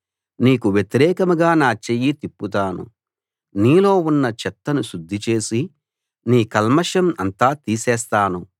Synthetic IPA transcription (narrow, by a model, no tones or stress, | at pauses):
niːkuʋjet̪iɾɛːkɐmuɡaːnaːt͡ʃejit̪ipːut̪aːnṵ | niːlo̞ːunːɐt͡ʃɛt̪ːɐnuʃud̪ʱːit͡ʃe̞ːsi | niːkɐlmɐʂɐmɐnt̪aːt̪iːsɛːst̪aːnu